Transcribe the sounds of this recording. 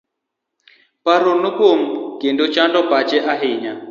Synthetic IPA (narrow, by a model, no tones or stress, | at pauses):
paɾonukom̩kendut͡ʃandɔpat͡ʃɛʔaɦiɲa